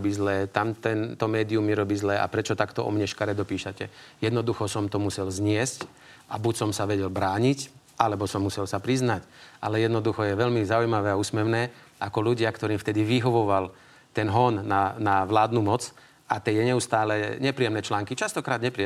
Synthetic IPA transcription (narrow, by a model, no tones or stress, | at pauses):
biːzlɛːt̪amt̪ɛnt̪ɔmɛːd̪iumːiɾɔbiːzlɛːʔa̰pɾɛt͡ʃɔt̪akt̪ɔʔɔ̰mɲɛʃkaɾɛd̪ɔpiːʃacɛjɛd̪nɔd̪uxɔsɔmt̪ɔmusɛlzɲɪɛsc | abucsɔmsaʋɛɟɛlbɾaːɲic | ʔalɛbɔsɔmːusɛlsapɾiznacʔalɛjɛd̪nɔd̪uxɔjɛʋɛlmizaujmaʋɛːauːsmɛʊnɛːʔakɔluɟɪakt̪ɔɾiːmft̪ɛd̪iʋiɦɔʋɔʋal | t̪ɛnɦɔnːanaʋlaːd̪numɔt͡s | ʔat̪ɛjɛɲɛust̪aːlɛɲɛpɾijɛmnɛːt͡ʃlaːŋkit͡ʃast̪ɔkɾaːd̪ɲɛpɾiɛ